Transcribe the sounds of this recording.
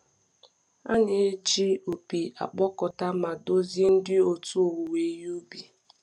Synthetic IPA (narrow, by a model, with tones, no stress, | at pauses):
a̰˦ɲe˨e˦d͡ʒi˦o˨pi˨a̰˨k͡pɔ˦kɔ˨ta˦ma˨do˦ze˦n̩˦dɪ˦o˨tu˦o˨wu˨we˨˦ju˦bi˨